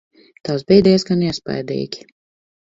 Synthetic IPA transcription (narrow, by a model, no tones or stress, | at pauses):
t̪awsbɛjd̪ʲɛːsɡaniɛspa̰jd̪ḭːkʲi̥